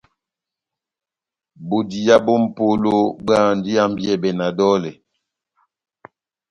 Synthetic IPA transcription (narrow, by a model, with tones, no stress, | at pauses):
bo˨di˨ja˦bo˦m̩˨po˦lo˦baː˦˨n˦di˦a˦m˦bjɛ˦˨bɛ˨na˨dɔ˦lɛ˨